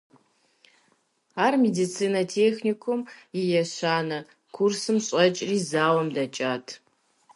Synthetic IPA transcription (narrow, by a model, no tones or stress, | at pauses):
aːrmedit͡sʰiːnɐtʰeːxnikʷʰʊmjɪjɛɕaːnɐ | kʰursɨmɕʼɐt͡ʃʼriːzaːwɐmdɐt͡ʃʼaːtʰ